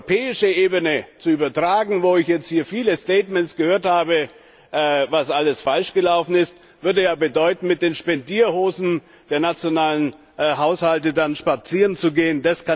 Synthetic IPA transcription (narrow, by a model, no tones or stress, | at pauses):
pʰɛːɪʃəʔeːbənət͡suyːbɐtʁ̥aːɡŋ̩voːɪçjɛt͡st̚hiːɐfiːləstɛːtmɛntsɡ̥əhøːɐthaːbə | ʔvasʔaləsfalʃɡ̥əlaʊfn̩ɪst | vʏɐdəjaːbədɔʏtn̩mɪt̚d̥eːnʃpɛndiːɐhoːzn̩ | d̥eːɐnat͡sjonaːlən | ɦaʊshaltədanʃpat͡siːʁənt͡suɡeːəndaska